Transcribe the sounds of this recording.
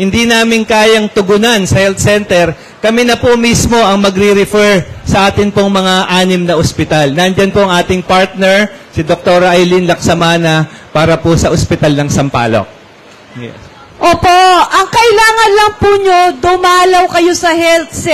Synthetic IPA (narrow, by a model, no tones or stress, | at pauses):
hɪnd̪inaːmɪŋkaːjɐŋt̪ʊɡʊnansɐhɛlt̪̚sɛnt̪ɛɾ | kɐminɐpomismo̞ʔɐŋmɐɡɾɪɾɪfɛɹsɐʔaːt̪ɪŋpoŋmɐŋaʔaːnɪmnɐʔospɪt̪alnɐnd͡ʒɐnpoʔɐŋʔaːt̪ɪŋpaɹt̪̚nɛɹsɪd̪ok̚t̪oːɾɐʔɐjlinlɐk̚sɐmaːnɐpaːɾɐposɐʔospɪt̪alnɐŋsɐmpa̰ːlo̰k̚ | ɛ̰ | ʔoːpoʔɐŋkɐʔɪlaːŋɐnlɐŋpuɲod̪ʊmaːlɐwkɐjo̞sɐhɛlt̪̚s